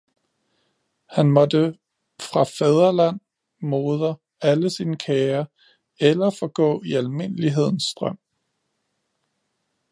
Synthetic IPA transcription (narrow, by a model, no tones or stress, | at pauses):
hænmɒ̽d̥ə | fʁɑ̈fɛð̞ˠɐlæn̰ | mo̝ːð̞ˠɐ | æləsiːnəkʰɛːɐ | elɐfɒ̽ɡ̥ɔ̰̽ːiælme̝n̰əliɦe̝ð̞̰ˠn̩sd̥ʁɶm̰